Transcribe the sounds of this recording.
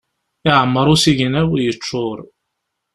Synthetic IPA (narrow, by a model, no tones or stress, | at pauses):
ɪʕəmːəɾˤusiʝənæwjət͡ʃːʊɾˤ